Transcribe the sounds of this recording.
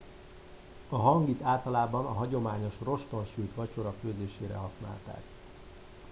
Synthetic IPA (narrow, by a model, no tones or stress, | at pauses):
ɒɦɒŋɡit̪aːlt̪ɒlaːbɒnɒɦɒɟo̞maːɲo̞ʃro̞ʃt̪o̞nʃyːt̪ʋɒt͡ʃo̞ɾɒføːzeːʃeːɾɛ̰ɦɒsna̰ːlt̪a̰ːk